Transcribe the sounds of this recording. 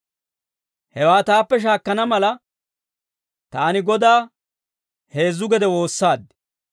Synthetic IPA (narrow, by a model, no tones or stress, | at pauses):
hɛwaːt̪aːpːɛʃ̬aːkːɐnɐmɐlɐ | t̪aːnɪɡɔd̪aː | he̞ːzːʊɡɛd̪ɛwo̞ːsːaːd̪